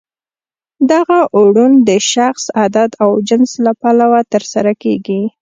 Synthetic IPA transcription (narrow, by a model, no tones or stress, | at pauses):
d̪aɣaʔuɽund̪əʃaxsad̪at̪awd͡ʒɪnslapalawat̪əɾsaɾakeɡi